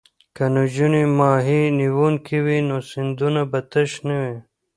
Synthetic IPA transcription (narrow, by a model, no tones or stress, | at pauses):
kɐnud͡ʑunimaːɦiniwuːnkʰiwinoːsind̪unabɐt̪ɐɕnewe